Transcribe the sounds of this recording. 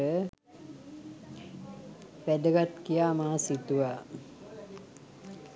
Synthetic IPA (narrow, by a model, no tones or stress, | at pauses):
ə | ʋæd̪əɡat̪kijaːmaːasit̪uʋaː